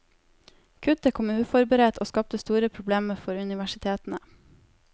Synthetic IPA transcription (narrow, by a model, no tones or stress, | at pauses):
kʰʉt̪əkʰɔmʉːfɔɾbəɾeːt̪ʰoːskɑp̚t̪əst̪uːɾəpʰɾʊbleːməfɔɾʉnɪʋæʃɪt̪ʰeːt̪n̩ə